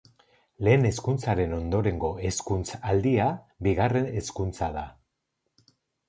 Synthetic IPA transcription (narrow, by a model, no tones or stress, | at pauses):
le̞ːne̞skunt͡saɾe̞no̞nd̪o̞ɾe̞ŋɡo̞e̞skunt͡sald̪ia | βiɣare̞ne̞skunt͡saða